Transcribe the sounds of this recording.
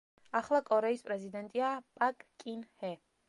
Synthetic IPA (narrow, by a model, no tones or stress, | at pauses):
aχlˠakʼɔɾɛispʼɾɛzid̪ɛnt̪ʼiapʼakʼkʼinhɛ